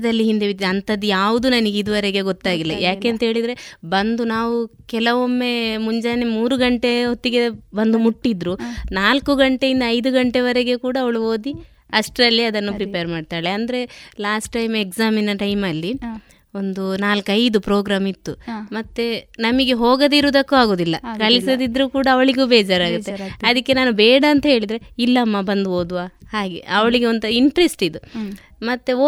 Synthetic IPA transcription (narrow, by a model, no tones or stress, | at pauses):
d̪ɐlːiɦind̪eʋit̪ːɐnt̪ɐd̪ujaːʋud̪unɐniɡeid̪uʋɐɾeɡe̞ɡot̪ːaːɡilːɐjaːkeːnt̪ɐɦeːɭid̪ɾe̞bɐnd̪unaːʋukɛlɐʋo̞mːe̞muɲd͡ʒaːnemuːɾuɡɐɳʈeɦot̪ːiɡebɐnd̪umuʈːid̪ɾunaːlkuɡɐɳʈe̞jind̪ɐɐjd̪uɡɐɳʈe̞ʋɐɾeɡe̞kuːɽɐːʋɐɭuo̞ːd̪i | ɐsʈɾɐlːjɐɐd̪ɐnːupɾipejɐɾmaːɖt̪aːɭeɐnd̪ɐɾe̞laːsʈːɐjmeksaːminɐʈɐjmɐlːi | o̞nd̪unaːlɐkɐjd̪upɾoːɡɾaːmit̪ːumɐt̪ːenɐmiɡe̞ɦoːɡɐd̪iɾud̪ɐkːuaːɡo̞ːd̪ilːɐkɐɭisod̪id̪ɾuːkuːɽaːʋɐɭiɡuːbɛːd͡ʒaːɾaːɡut̪ːeɐd̪ikːe̞naːnubɛːɽɐːnt̪ɐɦe̞ːɭid̪ɾe̞ilːɐːmːabɐnd̪uo̞ːd̪uʋaːhaːɡḛʔɐʋɐɭiɡeond̪uiɳʈɾesʈid̪u | mɐt̪ːe